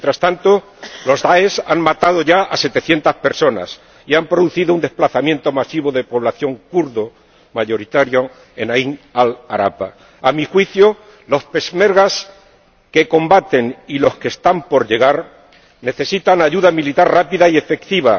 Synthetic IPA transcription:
jnt̪ɾast̪ant̪o̞ | lo̞zðaesaŋmat̪að̞o̞ʝaase̞t̪e̞θje̞nt̪aspe̞ɾso̞na̰s | iampɾoðuθiðound̪e̞splaθamjẽ̞nt̪o̞masiβo̞ðe̞po̞β̞laθjo̞ŋkuɾðo | maʝo̞ɾit̪aɾjo | enaiŋalaɾa̰pa | amixwiθjo̞ | lo̞spe̞sme̞ɾɣas | ke̞ko̞mbat̪e̞ŋilo̞ske̞st̪ampo̞ɾʎe̞ɣ̞aɾ | ne̞θe̞sit̪aŋaʝuðamilit̪aɾrapiðaie̞fe̞kt̪iβ̞a

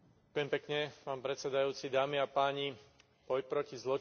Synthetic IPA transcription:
akʊjɛmpɛkɲɛpaːnpɾɛt͡ssɛd̪ajuːt͡sid̪aːmiapaːɲi | b̥ɔjpɾɔcizlɔ

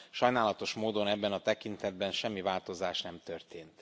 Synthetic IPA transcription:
ʃɒjnaːlɒt̪o̞ʃmoːd̪o̞nɛbːɛnɒt̪ɛkint̪ɛd̪̚bɛnʃɛmːivaːlt̪o̞zaːʃnɛmt̪ørt̪eːnt̪

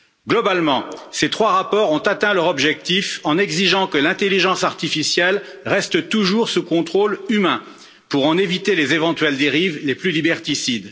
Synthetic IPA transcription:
ɡlɔbalmɑ̃set̪χwaʁapɔʁɔ̃t̪at̪ɛ̃lœʁɔbʒɛk̚t̪ifɑ̃nɛɡziʒɑ̃kəlɛ̃t̪eliʒɑ̃saʁt̪ifisjɛl | ʁɛst̪ət̪uʒuʁsukɔ̃t̪χolymɛ̃ | puʁɑ̃nevit̪elezevɑ̃t̪ɥɛld̪eʁivleplylibɛʁt̪isid̪

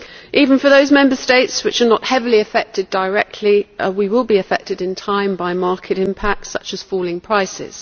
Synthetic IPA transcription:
ʔiːvə̃nfəðəʊzmɛ̃mbəsteɪtswɨt͡ʃənəʔhɛvəliəfɛk̚tʰɪdəɹɛk̚tʰˡliwiwɪlˠbiəfɛk̚tɪdɪ̃ntʰãɪ̃mbaɪmɑˑkʰɪtɪ̃mpʰak̚tsʌ̰t͡ʃəz̥fɔːlɪ̃ŋpʰɹ̥aɪsɪ̰z̥

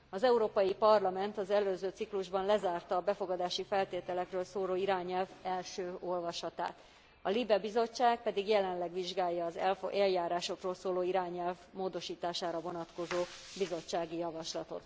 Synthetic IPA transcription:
ɒzɛuɾoːpɒjipɒrlɒmɛnt̪ɒzɛløːzøːt̪sikluʒbɒnlɛzaːrt̪ɒːbɛfo̞ɡɒd̪aːʃifɛlt̪eːt̪ɛlɛkrøːlsoːloːiɾaːɲɛlvɛlʃøːo̞lvɒʃɒt̪a̰ːt̪ | ɒlibɛbizo̞t͡ʃːaːk̚pɛd̪iɡjɛlɛnlɛɡʋiʒɡaːjːɒːzɛlfʔɛljaːɾaːʃo̞kroːlsoːloːiɾaːɲɛlvmoːd̪o̞ʃiːt̪aːʃaːɾɒvo̞nɒt̪ko̞zoːbizo̞t͡ʃːaːɡijɒvɒʃlɒt̪o̞̰t̪

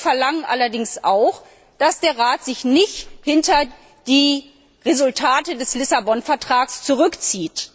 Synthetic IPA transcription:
fɛɐlaŋənʔa̰lɐdɪŋsʔaʊx | d̥asd̥eːɐʁaːtz̥ɪçnɪçthɪntɐ | d̥iː | ʁezʊltʰaːtədɛslɪsabɔnfɛɐtʁ̥aːkst͡suʁʏkt͡siːt

